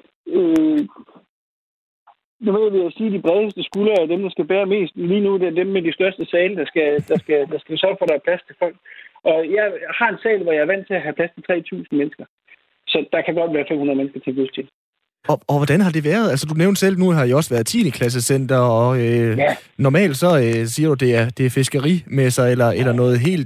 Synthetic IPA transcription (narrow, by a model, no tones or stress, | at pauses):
ø | nuʋeð̰ˠʋiæsiːd̥ib̥ʁɛð̞ˠəsd̥əsɡ̥ulɐæd̥emd̥ɑ̈sɡ̥æb̥æːɐme̝̰ːsd̥liːnud̥eæɐd̥emːedisd̥ɶɐsd̥əsɛːləd̥ɑ̈sɡ̥æd̥ɑ̈sɡ̥æd̥ɑ̈sɡ̥æ̥sɶɐ̰ɡ̥fɒ̽ɾɑ̈hæɐpʰl̥æst͡sʰe̝lfɒ̽l̰ɡ̥ʔɒ̽jɑ̈ɪhɑ̈e̝nsɛ̰ːlʋɒjɑ̈ɪæɐʋæn̰t͡sʰe̝læɦæpʰlæst͡sʰe̥t͡sʰʁɛ̰ːt͡sʰṵːsn̩menəsɡ̥ɐ | sɒ̽d̥ɑ̈kʰæɡ̥ɒ̽d̥ʋæːɐfemunɐð̩ˠmensɡ̥ɐt͡sʰeŋɡ̥ṵt͡sʰe̝l | ɒ̽ɒʋɒd̥ænɦɑ̈d̥e̝ʋæɐð̞̩ˠælsəd̥uneʊnsel̰nuɦɑ̈jiɒ̽sʋæːɐð̩ˠt͡sʰḭːnəkʰlæs̬əsen̰d̥ɐɒ̽ønɒmɛ̰ːld̥sɒ̽øsiːɐɾ̥ud̥e̝æɐd̥e̝æɐfe̝sɡ̥ɐʁimesɑ̈elɐelɐnɔ̽ːð̩ˠɦe̝̰ːld̥